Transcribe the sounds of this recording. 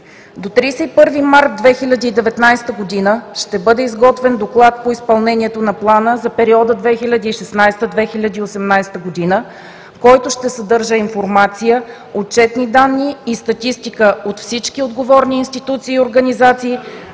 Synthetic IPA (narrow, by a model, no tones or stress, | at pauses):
d̪ot̪ɾiːsɛipɤɾvimaɾt̪̚d̪vɛxilʲəd̪iːd̪ɛvɛt̪najst̪əɡod̪inəʃt̪ɛbɤd̪ɛizɡɔt̪vɛnd̪oklˠat̪̚poispɐlˠnɛnʲiɛt̪onɐplˠanəzɐpɛɾiɔd̪əd̪vɛxilʲɐd̪ʲiːʃɛsnajst̪əd̪vɛxilʲəd̪iːosɛmnajst̪əɡod̪inə | kɔjt̪oʃt̪ɛsɐd̪ɤɾʒəinfoɾmat̪sijə | ot͡ʃɛt̪nid̪anːiːst̪ɐt̪ist̪ikəot̪fsit͡ʃkiod̪ɡovɔɾniːnst̪it̪ut̪siːoɾɡənizat̪siː